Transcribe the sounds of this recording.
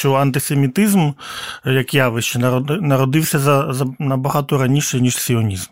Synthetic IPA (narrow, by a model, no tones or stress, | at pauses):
t͡ʃɔɐnt̪ɪsemʲit̪ɪzmjɐkjaʋɪʃt͡ʃɛnɐɾɔnɐɾɔd̪ɪwsʲɐzɐzɐnɐbɐɦɑt̪ɔɾɐnʲiʃɛjnʲiʂsʲiɔnʲizm